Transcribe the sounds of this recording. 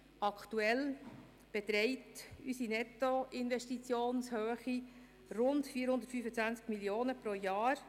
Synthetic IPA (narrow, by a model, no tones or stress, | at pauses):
ɑkʰt̪uɛl | b̥ɛt̪ɾɛɪtysinɛt̪ːoɪnvɛʃtit͡sjoːnshøːχi | rʊntfiːəɾhʊndətfyːfət͡svænt͡skmilioːnəpɾojɑːɾ